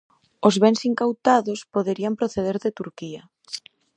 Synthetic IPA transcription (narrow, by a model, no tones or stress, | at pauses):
ozβɛnsiŋkawt̪aðospoðeɾiampɾoθeð̞eɾðet̪uɾkia